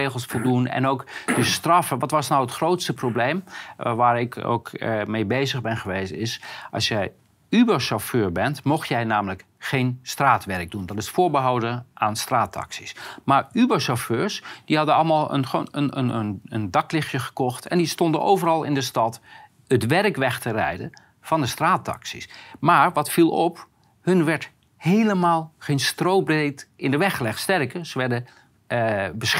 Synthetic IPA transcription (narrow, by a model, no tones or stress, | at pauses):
ejχəlˠsfɔlˠdunɛ̰nowkd̥əstrɑfəʋɑtʋɑsnawətχrowtstəproblejmʋaːɹɪko̰wkmejbejzəɣbɛnχəʋejstɪsʔɑ̰lˠsjɛj | ybaɹsoføːɹbɛntmɔχtjɛjnaːmələk | χejnstraːtʋɛrəɡ̚dundɑtɪsfʊːɹbəɦɑwdəʔaːnstraːtɑ̰ksismaːɹybaɹsɔføːɹsd̥iɦɑdənɑlˠmaːlˠə̰noənə̰nənə̰ndɑklɪχjəχə̥kɔχtʰɛ̰ndistɔndənʔo̰wvərɑlˠɪ̰ndəstɑt | ətʋɛrkʋɛχtərɛ̰jdə̰ | v̥ɑndəstraːtɑ̰ksismaːɹʋɑtfilˠɔp | hɵnʋɛɹt | hejləmaːlˠχejnstrowbrejtɪndəʋɛχəlɛχtstɛrkəz̥əʋɛɹdə | bəs